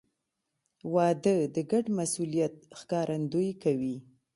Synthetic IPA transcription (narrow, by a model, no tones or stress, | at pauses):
wɑd̪əd̪əɡaɖmasulijat̪̚xkɑɾʔand̪ujkawi